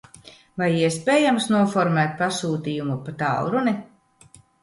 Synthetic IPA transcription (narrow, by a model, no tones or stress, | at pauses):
vajiɛspɛːjamsnuɔfɔɾmɛːt̪̚pasuːt̪ijumupat̪a̰wɾuni